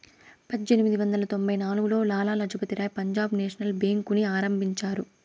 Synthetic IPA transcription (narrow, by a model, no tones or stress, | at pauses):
pɐd̪d͡ʒenimid̪iʋɐnd̪ɐlɐt̪o̞mbɐjnaːluɡulo̞ːlaːlaːnɐd͡ʒɐpɐt̪iɾaːjpɐɲd͡ʒaːbneːʂɐnɐlbeːŋkuniaːɾɐmbʱiɲt͡ʃaːɾu